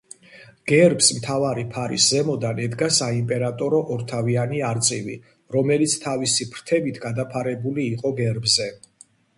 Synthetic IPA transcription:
ɡ̥ɛɾbsmt̪ʰavaɾipʰaɾḭszɛmɔd̪anɛd̪ɡasaimpʼɛɾat̪ʼɔɾɔʔɔɾt̪ʰavianiaɾt̪sʼivḭ | ɾɔmɛlit̪sʰt̪ʰavisipʰɾt̪ʰɛbit̪ʰɡad̪apʰaɾɛbuliːqʼɔɡɛɾbzɛ

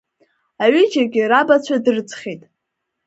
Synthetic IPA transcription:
aɥɪd͡ʒaɡʲɪrabat͡ɕʷʰadɨrɨt͡sʰʼχʲitʼ

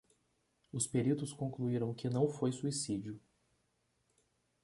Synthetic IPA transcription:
ʊspeɾit̪ʊskõkluiɾɐ̃w̃kɪnɐ̃w̃fojsuisid͡ʒʊ

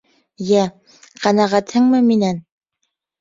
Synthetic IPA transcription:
jæ | qænæʁæt̪hɘŋmɘminæn

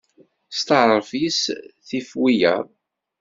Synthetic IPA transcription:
st̪əɾˤfisθifwijə̰ɾ

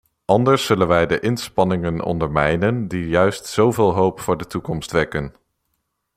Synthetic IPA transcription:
ʔɑndəɹsːɵlənʋɛjdəʔɪnspɑnɪŋənɔ̰ndəɹmɛjnəndijœɥstsowvɪːlˠɦowpfʊːɹdətukɔmstʋɛkən

